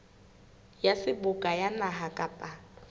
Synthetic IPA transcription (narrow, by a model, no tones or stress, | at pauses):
jasɪbʊkʼajanaɦakʼapʼa